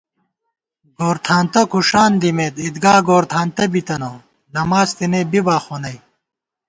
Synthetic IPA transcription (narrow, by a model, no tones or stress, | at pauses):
ɡoːɾt̪ʰaːnt̪ɐkʰuʂaːnd̪imeːd̪id̪ɡaːɡoːɾt̪ʰaːnt̪ɐbit̪ɐnoː | nɐmaːzt̪inebibaːxoːnɐj